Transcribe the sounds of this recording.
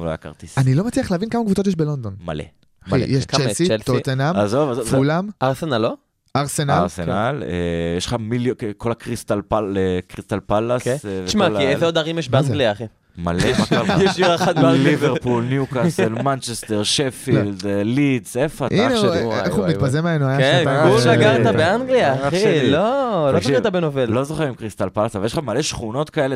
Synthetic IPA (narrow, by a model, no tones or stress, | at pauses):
lo̰jaka̰ʁt̪ianilo̞mat͡sliaχleavinkamakvut͡so̞t̪̬jeʃbelo̞nd̪o̞nma̰lḛ | m̰jeʃt͡ʃelsilt̪ot̪enamazovazovulamaʁsenalo | aʁsenalʁsenalejeʃlχamiljkolakʁist̪alpaekʁist̪alpalaksveʃmaliejzeod̪aʁimjɛʃbeaɡliai | malematajɛʃiaat̪aliveʁpulnjukaselmant͡ʃest̪eʁʃefild̪lidzefatʔineʃeeumitpazemeenuajaeauaɡaʁt̪abeaŋɡliaailoloiivtabenovellozoχeʁimkʁist̪alpalasavaleʃχamaleʃχuno̞t̪kaele